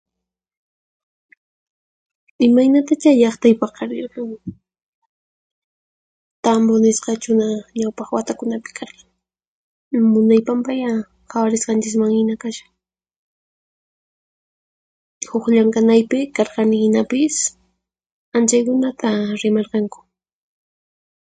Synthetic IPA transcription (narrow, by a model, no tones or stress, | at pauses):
ɪmajnat̪at͡ʃaʎɑχt̪ajpɑχqɑɾjʊnaŋ | t̪ambonɪsqɑt͡ʃʊnaɲawpɑχwat̪akʊnapɪ̥kʰɑɾqɑ̥ŋ | mʊnajpampaja | xawaɾɪsqɑnt͡ʃɪkmaŋhɪnakaʃḁ | hoχʎaŋkanajpɪkɑɾqɑnɪhɪnapɪs | ant͡ʃajkʊnat̪ʰaɾɪmɑɾqɑŋkʊ̥